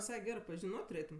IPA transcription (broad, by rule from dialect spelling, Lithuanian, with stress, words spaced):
ʋʲɪˈsɐɪ ˈɡʲæːrɜ pɐʒʲɪˈnoːtʲ tʊˈrʲeːtʊm